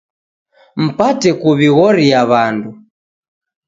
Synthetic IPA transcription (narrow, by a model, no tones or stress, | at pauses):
m̩patɛkuβiɣɔɾiaβandu